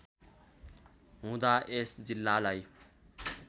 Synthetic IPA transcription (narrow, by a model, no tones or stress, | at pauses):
ɦũːd̪aʔesd͡zilːaːlaj